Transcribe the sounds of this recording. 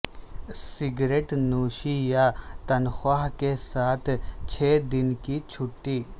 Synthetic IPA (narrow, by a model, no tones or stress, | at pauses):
sɪɡɾeːʈnuːʃijat̪ɐnxaːɦkesaːt̪ʰt͡ʃʰeːd̪ɪnkit͡ʃʰʊʈːiː